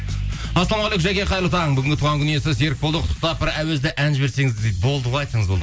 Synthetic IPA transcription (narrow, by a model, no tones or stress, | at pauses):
ɑsˠɑmɑʁolˠekʒæjkʲeqʰɑjɾlˠʊt̪ɑʁəɴbʏɡʲɪŋɡʲɪt̪ʰuʁɑŋkʰʲʏnijes̬ɪse̞ɾɪk̚bolˠd̪əqʰʊt̪ːə̥t̪ɑpɪɾæwezd̪ɪʔænʒɪbe̞ɾse̞ŋɪzd̪ebo̞lˠd̪əʁɑɑjt̪sɑɴəzbo̞lˠə